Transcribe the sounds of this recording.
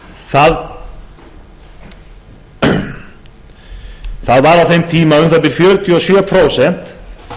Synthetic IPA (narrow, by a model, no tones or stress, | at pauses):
θað | θaðvaɾafɛmt̪ʰiːmaɾʏnθaðbliːɾfjœːɾʏt̪ʰɪɔsjøːpʰɾosɛnt̪